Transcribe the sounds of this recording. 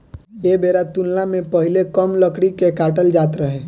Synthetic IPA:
jeːbeːɾat̪ʊnlamẽpəɦɪlekəmləkɽikekaːʈəld͡ʒaːt̪ɾəɦɛː

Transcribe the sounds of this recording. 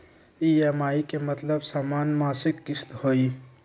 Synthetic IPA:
ijeːmaːikemɐt̪ləbsaːmaːnmaːsɪkːɪst̪hoːiː

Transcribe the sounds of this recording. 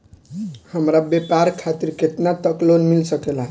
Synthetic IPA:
həmɾabepaɾkʰat̪iɾket̪nat̪əklonmilsəkela

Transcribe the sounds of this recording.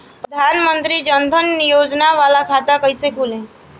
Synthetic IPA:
pɾəd̪ʱaːnmənt̪ɾid͡ʒənd̪ʱənːijoːd͡ʒnaʋaːlakʰaːt̪akəisekʰuːlẽː

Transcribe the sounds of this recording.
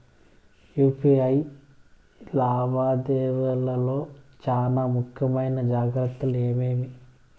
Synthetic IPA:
juːpiɐj | laːbaːd̪ɛːʋɐlɐlo̞ːt͡ʃaːnaːmukʰjɐmɐjnɐd͡ʒaːɡɾɐt̪ːɐleːmeːmi

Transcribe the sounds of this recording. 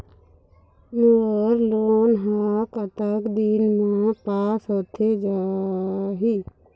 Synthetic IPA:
nəəɾloːnɦakət̪əkd̪inmãpaːsət̪ʰed͡ʒa | ɦi

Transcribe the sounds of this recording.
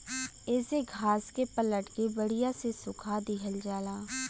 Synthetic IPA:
ɪseɡʱaːskepələʈkebəɽɪjasesʊkʰad̪ɪɦəld͡ʒaːlaː

